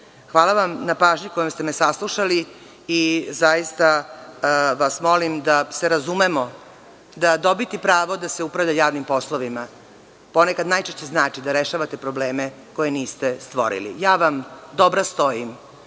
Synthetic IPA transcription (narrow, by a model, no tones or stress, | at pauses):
xʋaːlˠaʋamnapaːʒɲikojomst̪e̞mesaslˠuʃaliː | zajist̪a | ʋasmo̞limd̪aseɾazumemo | d̪ad̪o̞bit̪ipɾaːʋod̪aseupɾaʋʎʲajaːʋnimpo̞slˠoʋima | po̞nekad̪naːjt͡ʃeʃt͡ɕe̞znaːt͡ʃid̪aɾeʃaʋat̪e̞pɾo̞bleːme | ko̞jeniːst̪est̪ʋo̞̰ɾḭlḭjaːʋamd̪obɾast̪o̞jim